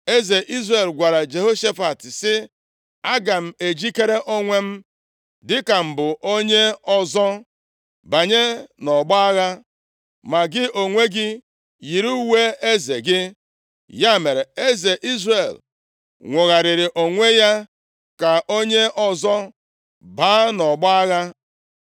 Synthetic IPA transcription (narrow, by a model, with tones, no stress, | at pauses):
e˦ze˨ʔi˦zɾe˨lɡʷa˨ɾa˨d͡ʒe˨ɦo˦ʃe˦fa˨tɪ˨sɪ˦ | a˦ɡa˨m̩˦˨e˨d͡ʒi˦ke˦ɾe˦ʔo˦ŋʷe˦m̩˦ | dɪ˦ka˨m̩˨bʊ˨ʔo˦ɲe˦ɔ˦zɔ˦ | ba˨ɲe˦nɔ˨ɡ͡bɔ˦a˦ɣa˦ | ma˨ɡɪ˦o˨ŋʷe˦ɡɪ˦ | ji˨ɾu˦we˦e˦zḛ˨ɡɪ˦ | ja˦me˨ɾe˨e˦ze˨ʔi˦zre˨l | ŋʷʊ˨ɣa˨ɾɪ˨ɾɪ˨ʔo˨ŋʷe˦ja˦ | ka˨ʔo˦ɲe˦ɔ˨zɔ˦ | ba˦nɔ˨ɡ͡bɔ˦a˦ɣa˦